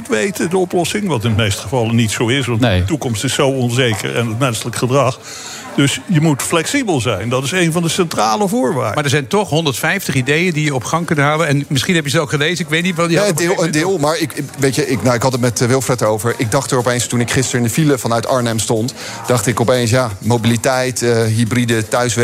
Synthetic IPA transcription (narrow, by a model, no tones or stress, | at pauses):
ətʋejtədəɔplɔsɪŋʋɑtɪndəmejstəχəvɑlənitsowɪsʋɑnnejtukɔmstɪsːowɔnzejkə̰ɹɛnətmɛnsələkχədrɑχ | d̥ɵsjəmutflɛksibəlˠzɛjndɑtɪsejnvɑndəsɛntraːləvʊːɹʋa̰ːɹdmaːdəɹzɛjntɔχɦɔndəɹtfɛjftəχidejəndijəɔpχɑŋkɵntɦaːləɛnmɪsχinɦɛpjəzəolˠχəlejzənɪkʋejtnitʋɑnˠədɪːlˠmaːɹɪkʋejcəʔɪknawɪkɦɑtətmɛtʋɪlˠfrɛtəowvəɹʔɪɡ̚dɑχtəɹɔpejnstunɪkχɪstəɹɪndəfiləfɑnœɥtɑɹnɛmstɔnt | d̥ɑχtɪkɔpejns̬jaːmowbilitɛjtəɦybridətœɥsʋɛ